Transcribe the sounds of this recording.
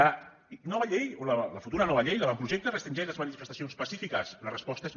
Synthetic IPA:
ə | nɔβɐʎejolələfut̪uɾɐnɔβəʎejləβampɾuʒek̚t̪ərəst̪ɾind͡ʒɛʃləzmənifəst̪ɐsionspɐsifikəslərəspɔst̪əez

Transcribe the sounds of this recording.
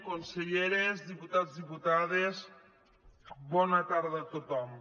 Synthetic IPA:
konseʎeɾezðiput̪azðiput̪aðez | bɔnat̪aɾðat̪ot̪ɔm

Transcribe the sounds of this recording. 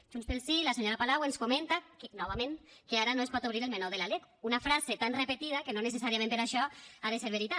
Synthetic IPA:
ʒ̥unspelˠsilaseɲoɾapalawenskument̪akenɔβamẽŋkeaɾanoespɔt̪oβɾiɾelmenoðelaleɣunafɾazet̪anrepet̪iðakenones̬esaɾiamẽmpeɾaʃɔaðeseɾβeɾit̪a

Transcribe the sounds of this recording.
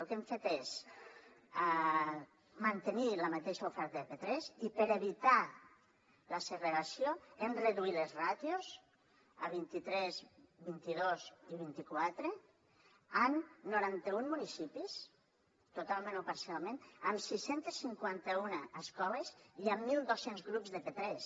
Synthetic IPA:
elˠkeɱfet̪es | mant̪eniləmat̪eʃaufɛɾt̪aepet̪ɾɛzipeɾeβit̪a | lasereɾasjoemreðuilezrat̪joz | əβ̞int̪it̪ɾɛzbint̪iðoziβ̞int̪ikwat̪ɾe | amnuɾant̪əummːunisipis | t̪ut̪alˠmẽnopaɾsialˠmẽnəmsisent̪esːiŋkwant̪əunaːskɔleziəmːilˠd̪osenzɣɾupzðepet̪ɾɛs

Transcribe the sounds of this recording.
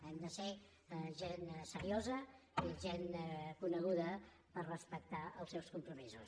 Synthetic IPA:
ɛmd̪əse | ʒensəɾiozə | iʒenkunəɣ̞uðə | pərrəspək̚t̪aəlˠsɛwskumpɾumizus

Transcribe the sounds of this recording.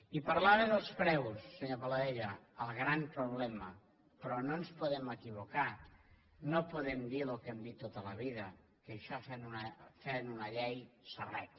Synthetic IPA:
ipaɾlaβeðəlˠspɾɛwsːeɲopalaeʎəːlˠɣɾampɾoβ̞lɛmə | pɾɔnonspoðeməkiβoka | nopoðemd̪ilokemd̪it̪ːot̪ələβiðə | keʃafenunafenunɐʎɛjsərɛt̪

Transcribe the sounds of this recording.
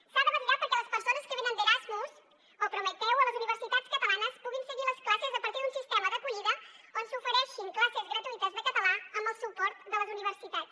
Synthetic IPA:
saðəβəɾiɾapəɾkɛləspəɾsonəskəβenənd̪əɾazmuz | opɾumət̪ɛwələzuniβəɾsit̪at͡skət̪əlanəspuɣinsəɣiləsklasəzəpəɾt̪iðunsist̪ɛməðəkuʎiðəonsufəɾɛʃiŋklasezɣɾət̪uit̪əzðəkət̪əlaəmbəlˠsupɔɾt̪d̪ələzuniβəɾsit̪at͡s

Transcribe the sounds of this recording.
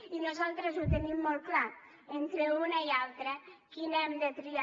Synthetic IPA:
inozalt̪ɾəzut̪enimːolkla | ent̪ɾeunɐialt̪ɾɐkinɛmd̪et̪ɾia

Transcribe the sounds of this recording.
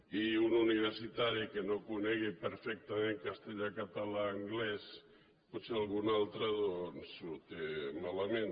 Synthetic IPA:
iununiβ̞eɾsit̪aɾikenokuneɣipeɾfɛk̚t̪ameŋkast̪eʎakat̪alaːŋɡlɛs | pɔt̪sealˠɣunalˠt̪ɾaðonsuɾt̪emalamen

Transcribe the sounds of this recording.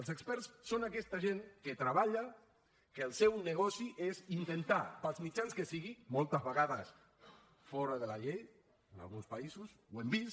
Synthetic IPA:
əlˠsəkspɛɾsːonakɛst̪aʒeŋket̪ɾaβaʎa | kəːlˠsɛwnəɣɔsiʔezint̪ent̪apalˠzmit͡ʃanskəsiɣimɔlˠt̪əzβəɣaðəs | fɔɾəðəlaʎej | əna̰lˠɣunspaizuswembis

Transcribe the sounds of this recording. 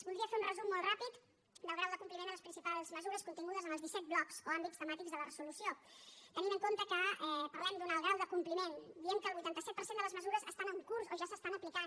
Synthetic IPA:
zβulˠdɾiəfeunrəzumːɔlˠt̪rapit̪ | d̪əlˠɣɾawðəkumplimend̪ələspɾinsipalˠzməzuɾəskunt̪iŋɡuð̞əzənəlˠzðisɛt̪̚blɔksoambitst̪əmat̪ikzðələrəzulusiot̪əninəŋkomt̪əkəɛpəɾlɛmd̪unalˠɣɾawðəkumplimend̪iɛmkəːlˠβujt̪ant̪əsɛt̪̚pəɾsend̪ələzməzuɾəzəst̪anəŋkuɾzoʒasəst̪anəplikan

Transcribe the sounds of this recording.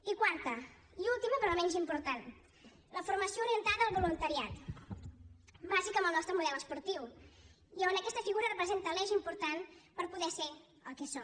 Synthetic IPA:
ikwaɾt̪ə | iulˠt̪iməpɾɔmɛɲzimpuɾt̪an | ləfuɾməsiouɾiənt̪aðəːlˠβulunt̪əɾiat̪ | bazikəməlˠnɔst̪ɾəmuðɛləspuɾt̪iw | ionəkɛst̪əfiɣuɾərəpɾəzent̪əlɛʒimpuɾt̪anpəɾpuðɛse | əlˠkɛsɔ

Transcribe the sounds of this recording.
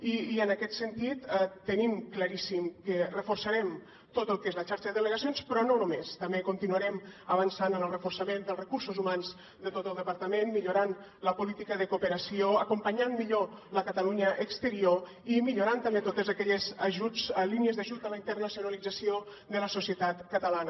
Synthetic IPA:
iənəkɛt̪sənt̪it̪ət̪ənimkləɾisimkərəfursəɾɛm | t̪ot̪əlˠkezlət͡ʃaɾʃəðəðələɣəsionspɾɔnonomest̪əmbekunt̪inuəɾɛməβənsanənəlˠrəfursəmend̪əlˠrəkuɾsuzumanz | d̪ət̪ot̪əlˠd̪əpəɾt̪əmenmiʎuɾan | ləpulit̪ikəðəkupəɾəsioəkumpəɲanmiʎoləkət̪əluɲəʔəkst̪əɾio | imiʎuɾant̪əmbet̪ot̪əzəkɛʎəzəʒut͡sliniəzðəʒut̪ələint̪ərnəsiunəlid͡zəsio | d̪ələsusiət̪at̪kət̪əlanə

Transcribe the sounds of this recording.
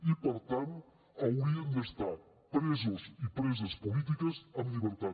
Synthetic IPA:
ipəɾt̪ant̪ | ɐwɾiənd̪əst̪a | pɾezuzipɾezəspulit̪̬ikəzɐmliβənt̪a

